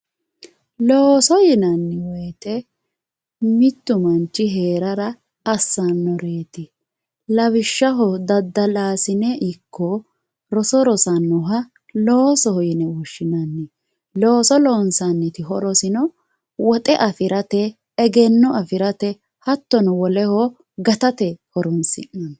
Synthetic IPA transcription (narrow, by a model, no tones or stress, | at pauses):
loːsɔjɪnɐnːɪwɛːt̪ɛ | mɪt̪ːʊmɐnt͡ʃːɪɦe̞ːɾɐɾɐː | sːɐnːɔɾeːt̪ɪ | lɐβɪʃːɐɦɔd̪ɐd̪ːɐlaːsɪnɛʔɪkʰːɔ | ɾɔsɔɾɔsɐnːɔɦɐ | loːsɔhɔjɪnɛuʃːɪnɐnːɛ | loːsɔloːnsanːɛt̪ɪɦɔɾɔsɪnɔ | wɔt̪ʼɛʔɐfɪɾɐt̪ɛː | ɡɛnːɔɐfɪɾɐt̪ɛ | hɐt̪ːɔnɔwɔlɛhɔ | ɡɐt̪ɐt̪ɛhɔɾʊnsɪ̰nːɐn